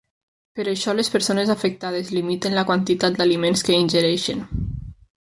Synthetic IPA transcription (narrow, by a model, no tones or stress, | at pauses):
pəɾəʃɔlespəɾsonezafək̚t̪að̞ezlimit̪ənləkwant̪it̪at̪̚d̪alimenskəinʲʒəɾɛʃən